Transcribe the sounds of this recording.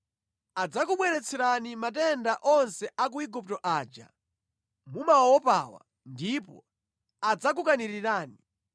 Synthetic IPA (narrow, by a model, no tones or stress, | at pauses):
ad͡zak̬uɓwɛɾɛt͡sʰɛɾanimatɛndaʔɔnsɛʔak̬uiɡup̚tɔʔaːd͡ʒa̰ | mumaɔpa̰wa̰ | ndipɔ̰ | ad͡zak̬ukaniɾiɾaːni